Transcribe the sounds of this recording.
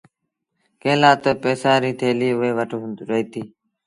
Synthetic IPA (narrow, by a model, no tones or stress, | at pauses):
kẽːlaːt̪əpeːsãːɾiːt̪ʰeːliːʊʋeːʋəʈɾəɦiːt̪iː